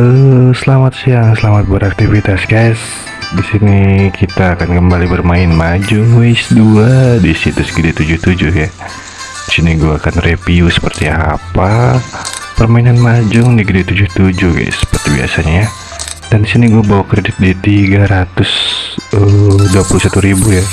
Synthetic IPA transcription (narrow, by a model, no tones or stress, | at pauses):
əsəlamat̪siaŋsəlamat̪̚bəɾak̚t̪ifit̪asɡajs | disinikʰit̪aːkankəmbalibərmaɪnmad͡ʒʊŋwesduadisit̪ʊsɡədit̪ud͡ʒʊht̪ud͡ʒʊɦja | disiniɡuaːkanrepiusə̥pərt̪ia̰pa | pərmainanmad͡ʒʊŋdiɡədit̪ud͡ʒʊht̪ud͡ʒʊhɡa̰jsːə̥pərt̪ibḭa̰saɲa | d̥andisiniɡuabawakɾedɪt̪̚dit̪iɡaɾat̪ʊsəduapuluhsat̪uɾibuja